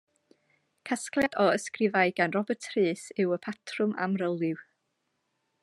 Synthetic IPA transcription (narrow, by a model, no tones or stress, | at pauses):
kʰasklˠjadɔəskrɪvaɨɡanrɔbətʰrɨːsɪwəpʰatʰrʊma̰mrəlˠɪw